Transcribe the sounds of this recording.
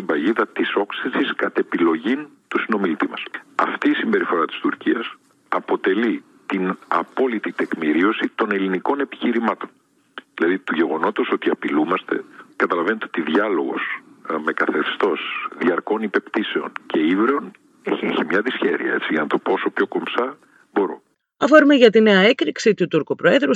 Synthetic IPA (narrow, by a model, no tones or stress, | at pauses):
imbɐʝiðɐt̪iso̞ksisiskɐt̪e̞pilo̞ʝint̪usino̞milit̪imɐsɐft̪iːsimbe̞ɾifo̞ɾɐt̪i̥st̪uɾciɐs | ɐpo̞t̪e̞li | t̪inɐ̰po̞lit̪it̪e̞kmiɾio̞sit̪o̞ne̞liniko̞ne̞pi̥çiɾimɐt̪o̞̥n | ðilɐðit̪uʝe̞ɣo̞no̞t̪oso̞t̪iɐpilumɐst̪e̞̰kɐt̪ɐlɐve̞net̪eo̞t̪iðʝɐlo̞ɣo̞sme̞kɐθe̞st̪o̞sðiɐɾko̞nipe̞pt̪ise̞o̞̰nce̞ivɾeon | eeçimɲɐðisçe̞ɾḭɐ̰e̞t͡siʝɐnɐt̪o̞po̞so̞pço̞ko̞msɐ | bo̞ɾo̞̰ | ɐfoɾumeʝɐt̪ine̞ɐe̞kɾiksit̪ut̪uɾkopɾoe̞ðɾu